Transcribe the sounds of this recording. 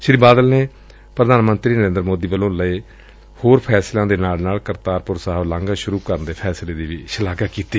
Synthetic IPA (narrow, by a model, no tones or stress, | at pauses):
ʃɾiːbaːd̪əlneː | pɾəd̪aːnmə̃nt̪ɾiːnəɾẽːnd̪ɾmoːd̪iːʋəlõːləiː | hoːɾpʰɛːslãːd̪eːnaːlnaːlkəɾt̪aːɾpʊɾsaːɦəblãːŋɡaːʃʊɾuːkəɾənd̪eːpʰɛːsleːd̪iːʋiːʃəlaːɡaːkiːt̪iː